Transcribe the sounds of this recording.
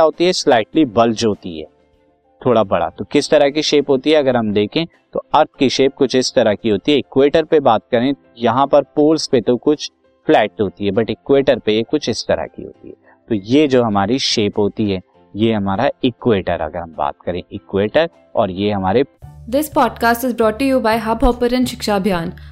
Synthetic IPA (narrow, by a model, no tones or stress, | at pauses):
aɦoːt̪iɦɛslaːɪʈlibɐld͡ʒɦoːt̪iɦɛ̰ː | t̪ʰoːɽabɐɽa̰t̪okɪst̪ɐɾakiʃeːpɦoːt̪iɦɛɐɡəɾɦɐmd̪eːkʰẽ | t̪oɐɾt̪̚ʰkiʃeːp̚kʊt͡ʃʰɪst̪ɐɾakiɦoːt̪iɦɛɪkweːʈəɾpebaːt̪̚kɐɾẽ | jɐɦãpɐɾpoːlspet̪okʊt͡ʃʰ | flɛːʈɦoːt̪iɦɛbɐʈɪkweːʈəɾpejekʊt͡ʃʰɪst̪ɐɾa̰kḭɦo̰ːt̪ḭɦɛ̰ː | t̪oːjed͡ʒoːɦɐmaːɾiʃeːpɦoːt̪iɦɛː | jeɦɐmaːɾaɪkweːʈə̰ɾɐ̰ɡəɾɦɐmba̰ːt̪̚kɐɾẽʔɪkweːʈəɾ | ɔ̰ːɾjeɦɐmaːɾed̪ɪspɔːɖkaːsʈɪzbɾɔːʈːujuːbaːɪɦɐbɔːpəɾə̃nʃɪkʃabʱjaːn